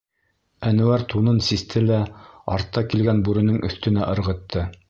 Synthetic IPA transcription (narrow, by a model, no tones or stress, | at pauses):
ænɘ̆wæɾt̪unɤnsist̪ʰɘlæɑɾt̪ːɑkilɡænbʉɾɘ̆nɘŋɵ̆θt̪ɵ̆næʔɤ̆ɾʁɤ̆t̪ʰːɤ